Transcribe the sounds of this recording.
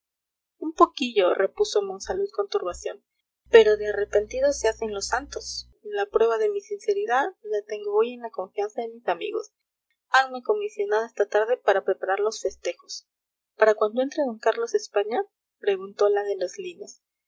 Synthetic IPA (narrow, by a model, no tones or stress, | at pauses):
umpo̞kiʝo̞re̞puso̞mo̞nsalusko̞nt̪uɾβasjo̞n | pe̞ɾo̞ðeare̞pe̞nt̪iðo̞se̞ase̞nlo̞sant̪o̞s | lapɾwe̞βaðe̞misinse̞ɾiðaðlat̪e̞ŋɡooje̞nlako̞ɱfjansaðe̞misamḭɣo̞̰s | anme̞ko̞misjo̞nað̞oest̪at̪aɾðe̞paɾapɾe̞paɾaɾlo̞sfe̞st̪e̞xo̞̥s | paɾakwand̪oe̞nt̪ɾeðo̞ŋkaɾlo̞se̞spaɲa | pɾe̞ɣunt̪o̞laðelozlinos